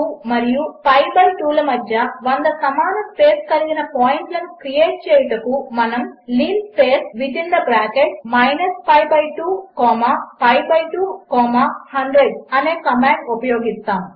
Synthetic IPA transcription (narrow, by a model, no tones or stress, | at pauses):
mɐɾijupɐjbɐɾʈuːlɐmɐd̪ʱjɐʋɐnd̪ɐsɐmaːnɐspeːskɐliɡinɐpaːjiɳʈlɐnukɾijeːʈ̚t͡ʃɛːjɐʈɐkumɐnɐmliːnspeːsʋid̪ind̪ɐbɾaːkeʈ̚mɐjnɐspɐjbɐjʈuːkɔːmaːpɐjbɐjʈuːkɔːmaːhɐɳɖɾeɖsɐneːkɐmaːɳɖupɐjoːɡist̪aːm